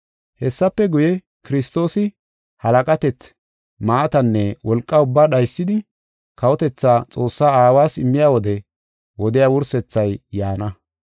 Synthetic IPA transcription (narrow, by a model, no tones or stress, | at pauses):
hɛsːɐpːɛɡʊjɛ | kɪɾɪs̬t̪o̞ːsɪ | hɐlɐkʼɐt̪ɛt͡s | maːt̪ɐnːɛwɔlkʼːɐʊbːaːɗɐjsːɪd̪ɪ | kɐwɔt̪ɛt͡sːaːt͡sʼo̞ːsːaːaːwaːsɪmːɪjaːwɔd̪ɛ | wɔd̪ɪjawʊɾsɛt͡sːɐjjaːnɐ